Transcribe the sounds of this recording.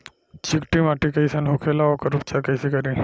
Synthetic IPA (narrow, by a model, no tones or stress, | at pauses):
t͡ɕʰikʈimaʈikɐjsanɦokʰelaʋokəɾupt͡ʃakɐjsikɐɾi